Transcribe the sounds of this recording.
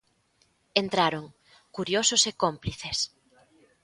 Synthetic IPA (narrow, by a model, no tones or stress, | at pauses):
ent̪ɾaɾoŋ | kuɾjosʊsekompliθes